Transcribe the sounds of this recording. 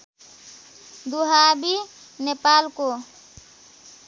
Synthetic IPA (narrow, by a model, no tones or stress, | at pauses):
d̪uɦabi | nepalko